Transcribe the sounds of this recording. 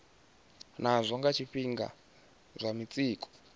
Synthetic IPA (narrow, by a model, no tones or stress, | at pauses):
nazʷɔŋɡat͡ʃʰiɸiŋɡa̰ | zʷamit͡sʼiːkʰʼɔ̥